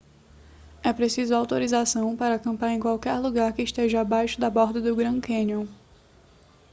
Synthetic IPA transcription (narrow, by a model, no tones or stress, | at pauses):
ɛpɾesizʊawt̪oɾizasɐ̃w̃paɾɐakɐ̃mpaɾẽkwawkɛɾluɡaɾkɪːʃt̪eʒɐabajʃʊd̪ɐbɔɾd̪ɐd̪ʊɡɾɐ̃kẽnjõ